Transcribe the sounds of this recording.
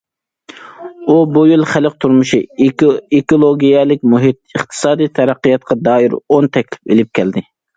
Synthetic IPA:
ubujilˠχælɪq̚t̪ʰuɾmuʃi | ekolˠoɡʲijɛlɪk̚ʲmuɦit̪̚ɨχt̪ʰɨ̥sɑːd̪ijt̪ʰɛɾæqːijɑt̪̚qʰɑd̪ɑːiɾont̪ʰɛkʲlɪ̥pelɪp̚kʲʰɛld̪ɪ

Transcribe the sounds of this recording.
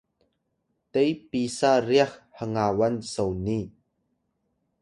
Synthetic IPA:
t̪ejpisariaxhəŋawansowni

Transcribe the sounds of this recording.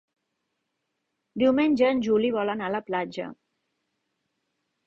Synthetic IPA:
d̪iwmenʲd͡ʒəːnʲʒuliβɔlənaləplad͡ʒə̰

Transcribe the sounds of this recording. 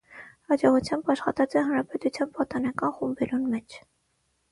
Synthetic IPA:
hɑd͡ʒɔʁut͡sʰjɑmbɑʃχɑt̪ɑt͡sɛɦɑnɾɑpɛt̪ut͡sʰjɑnpɑt̪ɔnɑkɑnχumbɛlunmɛt͡ʃʰ

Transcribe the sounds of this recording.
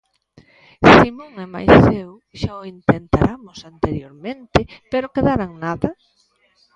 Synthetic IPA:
simõŋɛma̰jsθew | ʃaoint̪ent̪aɾʔamosant̪eɾjoɾmẽnt̪epeɾokeðaɾaŋnaðɐ

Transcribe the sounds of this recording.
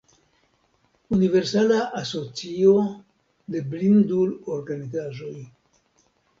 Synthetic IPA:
unive̞ɾsalaʔaso̞t͡sio | de̞blinduloɾɡanizaʒo̞j

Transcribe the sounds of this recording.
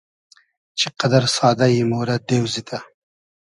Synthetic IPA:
t͡ʃeqad̪aɾsɑːd̪ajimoɾad̪ewzit̪ʰa

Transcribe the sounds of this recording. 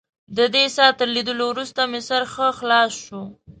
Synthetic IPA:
d̪əd̪esɑt̪əɾlid̪əlowɾust̪amesaɾxəxlɑsʃu

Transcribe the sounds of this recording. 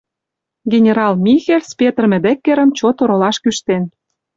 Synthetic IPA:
ɡenʲeɾɑlmʲixelʲspʲet̪rmɘ̆d̪ĕkːeɾə̆mt͡ɕot̪oɾolɑʃkyʃt̪en

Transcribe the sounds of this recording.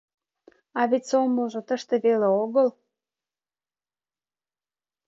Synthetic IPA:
ɑβetʲsoməlʒot̪əʃt̪ĕβeleoɣəl

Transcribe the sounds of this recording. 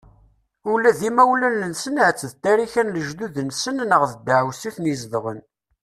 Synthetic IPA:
ʊlæðimæwlænːənsənʕət͡sːəðt̪æɾiçænləʒd̪uðənsənnəʁðəd̪əʕwsiθnizðʁən

